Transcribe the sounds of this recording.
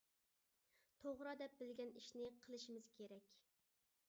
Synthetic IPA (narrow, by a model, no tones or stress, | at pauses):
t̪ʰoʁɾɑd̪ɛp̚bɪlɡʲɛniʃnɪqʰəlˠɨʃimɪz̥kʲʰeɾɛkʲ